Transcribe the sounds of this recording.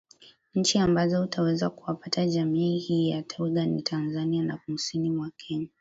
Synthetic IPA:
ɲ̩t͡ʃiambazɔutʰawɛzakuwapatʰaʄamiːhiːjatʰauɡanḭtʰanzanianakum̩sinimwakʰɛɲa

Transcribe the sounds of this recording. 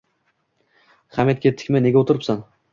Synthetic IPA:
χamet̪̚kʲet̪ʰɪ̥kʲmane̞ɡʲaot̪ʰʊɾɪpsan

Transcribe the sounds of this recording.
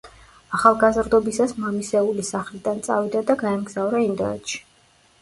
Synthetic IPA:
aχalˠɡazɾd̪ɔbisasmamisɛulisaχlid̪ant̪sʼa̰vid̪ad̪aɡaɛmɡz̥avɾaind̪ɛ̰nɛ̰t̪ʃi̥

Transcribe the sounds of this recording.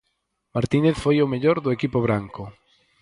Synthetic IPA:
maɾt̪ineθfojʊmeʎoɾðʊekipoβ̞ɾaŋkʊ

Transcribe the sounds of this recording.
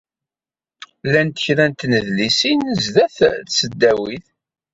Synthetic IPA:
lænt̪ə̥çɾænt̪nəðlisinəzðæθθsəd̪ːæwiθ

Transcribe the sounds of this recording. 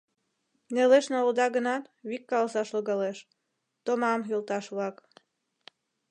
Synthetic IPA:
neleʃnold̪ɑɣənɑt̪βikːɑlsɑʃloɣɑleʃ | t̪omɑmɦylt̪ɑʃβlɑk

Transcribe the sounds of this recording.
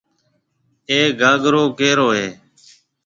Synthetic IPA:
eːɡaːɡɾoːkeːɾoːɦeː

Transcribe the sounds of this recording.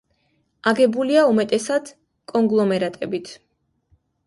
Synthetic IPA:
aɡɛbuliaumɛt̪ʼɛsad̪̥ | kʼɔŋɡlˠɔmɛɾat̪ʼɛbit̪ʰ

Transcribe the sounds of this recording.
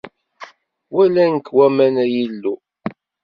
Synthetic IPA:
wælænkːwæmænæjilːu

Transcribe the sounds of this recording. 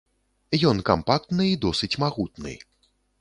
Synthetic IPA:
jɔnkampak̚t̪nɨid̪ɔsɨt͡sʲmaɣut̪nɨ̰

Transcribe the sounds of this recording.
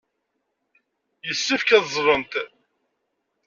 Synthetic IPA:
jəsːifkæðzˤɾˤənt̪

